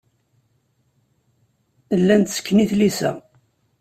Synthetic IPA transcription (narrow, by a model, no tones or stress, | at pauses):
lːænt̪sə̥kːniθlisæ̰